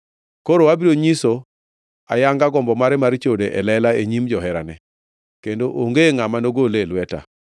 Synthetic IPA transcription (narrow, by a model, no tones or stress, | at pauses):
koɾowabiɾoɲiso | a̰jaŋɡaɡɔmbɔmaɾɛmaɾt͡ʃodeʔɛlɛlaeɲimd͡ʒɔɦɛɾa̰nɛ | kendoʔoŋɡeŋamanoɡolelwɛta̰